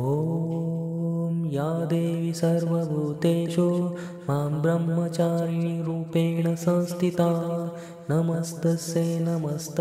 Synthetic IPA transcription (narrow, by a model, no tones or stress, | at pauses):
ɦoː | mjaːd̪eːʋisɐɾʋɐbʱuːt̪eːt͡ʃo | maːmbɾɐmːɐt͡ʃaːɾniɾuːpeːɳɐsɐ̃ːst̪ʰit̪aː | nɐmɐst̪ɐseːnɐmɐst̪